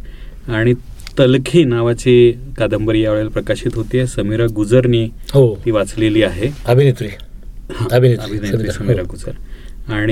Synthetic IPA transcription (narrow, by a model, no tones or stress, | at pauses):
aɽ̃i | t̪əlkʰiːnaʋat͡sekad̪əmbəɾjaʋɭelpɾəkaɕiːt̪ɦot̪iesəmiɾaɡud͡zəɾniːɦot̪iːʋat͡sleliːaɦeəbʱinit̪ɾiːhãəbʱintəbʱinitɾisəmiɾaɡud͡zəɾaɽ̃i